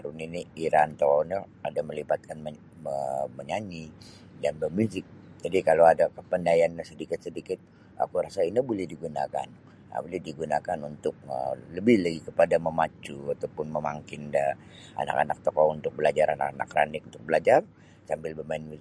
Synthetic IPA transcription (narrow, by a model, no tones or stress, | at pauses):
aɾuniniiɾant̪okɔna | adaməlibat̪̚kanm | əməɲaɲi | danbəmuzɪk̚d͡ʒadikaloadakəpəndajanɲasədikɪt̪̚sədikɪt̪̚ | a̰kuɾasainabolɛhdiɡunaka̰n | a̰bolɛhdiɡunakanunt̪ʊk̚ə̰ləbɪhlaɡikəpadaməmat͡ʃuat̪awpʊnməmaŋkɪnda | a̰na̰ka̰na̰k̚t̪okɔunt̪ʊk̚bəlad͡ʒaɾʔana̰kana̰kra̰nɪk̚unt̪ʊk̚bəlad͡ʒar | sambɪlbəmaɪnmu